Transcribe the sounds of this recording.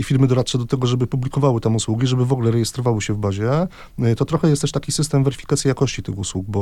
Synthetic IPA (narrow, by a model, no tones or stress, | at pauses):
ifʲiɾmɘd̪ɔɾat̪t͡ʂɛd̪ɔt̪ɛɡɔʐɛbɘpublʲikɔvawɘt̪amuswuɡʲiʐɛbɘvɔɡlɛɾɛjɛst̪ɾɔvawɘɕɛvbaʑɛ | t̪ɔt̪ɾɔxɛjɛst̪ɛʂt̪akʲisɘst̪ɛmvɛɾɘfʲi̥kat̪sʲjijakɔɕt͡ɕit̪ɘxuswuk̚bɔ